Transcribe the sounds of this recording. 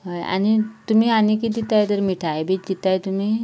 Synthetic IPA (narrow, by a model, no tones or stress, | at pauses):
ɦəja̰ɽ̃it̪um̤iːanikid̪it̪ajt̪əɾmiʈʰajbʱit͡ɕd̪it̪ajt̪um̤iː